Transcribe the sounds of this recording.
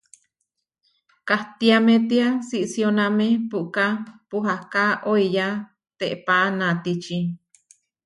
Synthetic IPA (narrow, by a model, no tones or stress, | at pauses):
kaht̪iamẽt̪iasiʔsionãmẽpuʔkapuɦakaʔoija | t̪eʔpaʔnãt̪it͡ʃi